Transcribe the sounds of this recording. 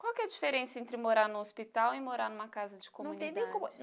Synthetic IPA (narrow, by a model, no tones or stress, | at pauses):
kwawkɛd͡ʒifeɾẽsɐẽnt̪ɾɪmoɾaɾnũospit̪awɪmoɾaɾnũmɐkazɐd͡ʒɪkõm̃uñẽj̃nẽjkõm